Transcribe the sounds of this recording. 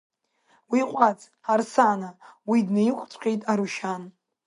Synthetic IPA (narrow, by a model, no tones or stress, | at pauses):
wiqʷʼat͡sʰʼ | arsanawidnejχʷʼt͡sʷʼqʲʼe̞jtʼaɾuʃan